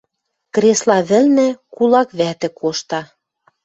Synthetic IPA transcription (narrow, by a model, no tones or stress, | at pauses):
kɾeslɑβɘ̆lnɘ̆kulɑkβæt̪ɘ̆kʰoʃt̪ɑ